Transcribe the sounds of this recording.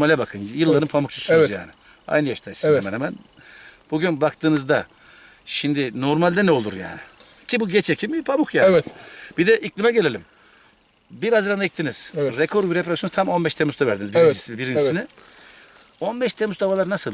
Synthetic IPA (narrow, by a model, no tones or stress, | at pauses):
malʲɛbakʰɯnjɯlˠːaɾɯmpʰamuk̚t͡ʃʰu̥synzja̰ːnɪ | a̰jnɯjaʃt̪ʰajsiɛmɛnhɛmæn | b̥uɟynbakt̪ʰɯːnɯzd̪a | ʃimd̪ɪno̞ɾmalʲd̪ɛnɛo̞lˠuɾja̰ːnɪ | cʰibuɟɛt͡ʃʰecʰimipʰamukjaːɛt̪b̥id̪ɛʔiclʲimɛɟe̞lʲe̞lʲim | biɾazɯɾanait̪ːiniz̥ɾekʰoɾbiɾepʰɾaksjont̪ʰamo̞nbɛʃt̪ʰemuzt̪ʰavæɾd̪inizbiid͡ʒisibiɾind͡ʒisini | o̞nbɛʃt̪ʰemuzd̪avalˠaɾnasɯlˠ